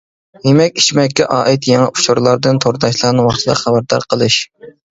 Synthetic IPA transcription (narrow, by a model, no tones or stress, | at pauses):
nemɛkʲi̥t͡ʃmɛkʲːɛʔɑːʔit̪jɛŋɛʔu̥t͡ʃʰuɾlˠɑɾd̪ɨnt̪ʰoɾd̪ɑʃlˠɑɾnɨwɑχt̪ʰɨd̪ɑ̰χæbæɾd̪ɑ̰ɾqʰəlˠɨʃ